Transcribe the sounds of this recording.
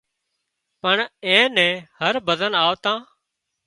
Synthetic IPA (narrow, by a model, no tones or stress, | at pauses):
pəɳɛ̃ːnɛ̃ːhəɾbəd̪ənaːʋt̪ãː